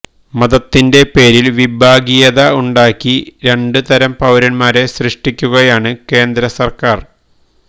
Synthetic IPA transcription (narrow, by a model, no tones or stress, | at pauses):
mɐðɐt̪ːinde̞pe̞ːɾilʋibʱaːɡijɐðɐuɳɖaːkːiɾe̞ɳɖɨt̪ɐɾɐmpɐwɾɐnmaːɾe̞srɨʂʈikʲːuɣɐjaːɳɨke̞ːnd̪ɾɐsɐrkaːr